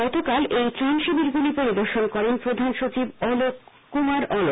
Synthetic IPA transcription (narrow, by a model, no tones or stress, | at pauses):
ɔt̪okalʔejtɾanʃibiɾɡulipoɾid̪oɾʃonkɔɾenpɾod̪ʱanʃot͡ɕibɔlokː | umaɾɔlo